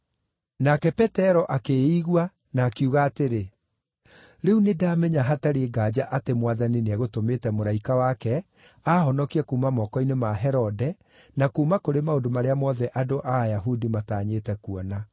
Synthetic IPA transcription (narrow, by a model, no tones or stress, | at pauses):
nakɛpɛtɛɾɔʔakeiɣwa | naːkiuɣaːteɾe | ɾeunedaːmɛɲaɦataɾeɡaːd͡ʑaʔatemwaðanineɛɣotometɛmoɾaikawakɛ | ahɔnɔkiɛkuːmamɔkɔinemaɦɛɾɔdɛ | nakuːmakoɾemaodomaɾeamɔðɛʔadoʔaːjaɦudimataːɲetɛkuɔna